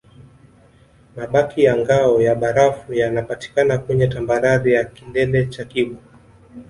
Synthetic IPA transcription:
maɓakijaŋɡaɔjaɓaɾafujanapati̥kanakuɲɛtambaɾaɾijakindɛlɛt͡ʃakiɓɔ

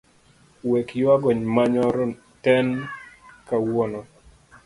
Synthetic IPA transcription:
wekjwaɡɔɲmaɲɔɾɔ | tɛn | kawɔnɔ

